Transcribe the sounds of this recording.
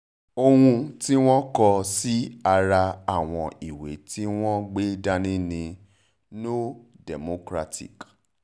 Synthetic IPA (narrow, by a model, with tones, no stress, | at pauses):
o˧hũ˧ti˦w̃ɔ̃˦kɔ˧si˦a˧ɾa˧a˦˨w̃ɔ̃˧i˨wḛ˨˦ti˦w̃ɔ̃˦ɡ͡be˦da˦nĩ˦nĩ˧ | no˦dɛ˨mo˨˦kɾa˦tʰḭ˨k